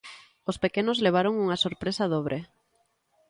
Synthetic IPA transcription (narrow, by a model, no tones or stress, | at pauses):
ospekenozleβ̞aɾoŋuŋasoɾpɾesaðoβɾʔe